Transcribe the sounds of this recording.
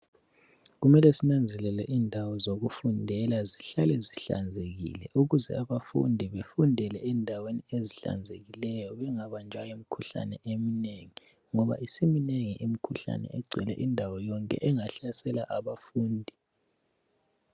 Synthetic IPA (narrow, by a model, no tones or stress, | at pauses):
ɣumɛlɛsinand͡zʱɛlɛlɛʔiːndʱawɔzoɣufundʱɛlaziɬalɛziɬa̰nd͡zʱeɣḭlɛ̰ʔuɣuzɛ̰aβafṵndʱiβefundʱɛlɛɛndʱawenieziɬa̰nd͡zʱeɣilɛjɔβɛŋaβand͡ʒʱwajimikʰuɬa̰nɛʔemineŋi | ŋɔβa̰ʔisimineŋiʔimikʰuɬa̰nɛ̰ɛɡ͡ǀʱwɛlɛ̰ʔindʱawɔjɔŋkʼɛ̰ʔɛŋaɬasɛlaʔaβafuːndʱi